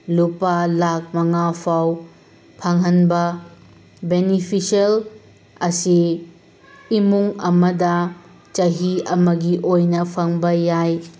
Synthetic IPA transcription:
lupalak̚mɐŋapʰaw | pʰaŋɦɐnbɐ | benipʰisɐl | ɐsi | muŋɐmɐdɐ | t͡ʃɐɦiɐmɐɡiʔojnɐpʰɐŋbɐjaj

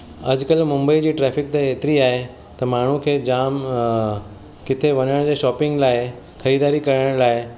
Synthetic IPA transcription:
ɐd͡ʑkəlmʊ̃mbəid͡ʑiːʈɾɛːfɪkt̪eɦeːt̪ɪɾiaːɦe | t̪ɐmaːɳ̤ũkʰeːd͡ʑaːm | kɪt̪ʰeʋɐɲəɽ̃d͡ʑeːʃɔːpɪ̃ŋɡlaːɪ | xɐɾiːd̪aːɾikɐɾəɽ̃laːɪ

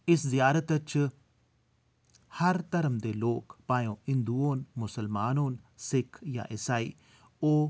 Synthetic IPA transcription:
ɪszɪjaːɾət̪ət͡ʃ | həɾt̪əɾəmd̪eːloːkpaːjõːɪ̃nd̪uːoːnmʊsəlmaːnoːnsɪkʰjã̰ːʔɪsaːḭː | oː

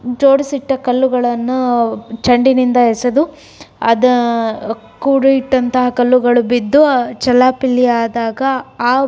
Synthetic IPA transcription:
d͡ʒoːɽisiʈːɐkɐlːuɡɐɭɐnːut͡ʃɐɳɖinind̪ɐɦesɐd̪u | ɐd̪ɐ | kuːɽuiʈːɐnt̪ɐɦɐkɐlːuɡɐɭubid̪ːuɐt͡ʃɐlːaːpilːiaːd̪aːɡɐaː

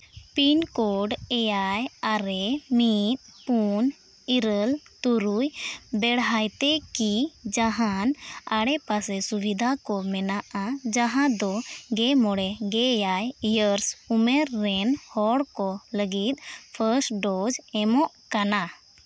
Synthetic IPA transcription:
pinkɔɖɛjajaɾɛmit̪̚pun | iɾəlt̪uɾujbɛɽɦajt̪ɛkid͡ʒaɦanaɽɛpasɛsubid̪ʱakɔmɛnaʔad͡ʒaɦãd̪ɔɡɛmɔɽɛɡɛjajjəɾsumɛɾːɛnhɔɽkɔləɡit̪̚ˀpʰəsʈɖɔd͡ʒɛmɔʔkana

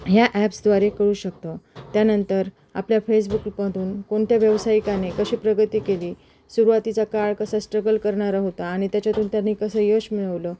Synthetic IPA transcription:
ɦjaʔæpsd̪ʋaɾekəɾuːɕək̚t̪ət̪janənt̪əɾ | a̰pljafes̬bukpəd̪ʱuːnkoɳt̪ʰjaʋjəʋsaikanekəɕiːpɾəɡət̪iːkeliː | suɾuʋat̪it͡sakaɭkəsasʈɾəɡəlkəɾɳaɾaɦot̪aːɽ̃it̪jat͡ɕat̪uːnt̪janːiːkəsəːjoɕmiɭəʋləː

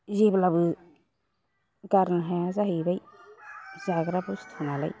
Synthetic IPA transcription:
ziblabɯ | ɡaɾnɦajazaɦibaj | zaɡɾabust̪ʰunala̰j

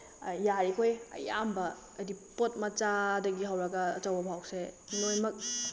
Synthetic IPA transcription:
jaɾikʰojɐ̰ja̰mbɐː | dipot̚mɐt͡ʃadɐɡiɦawɾɐɡɐːt͡ʃawbɐbʱawsenojmɐk̚

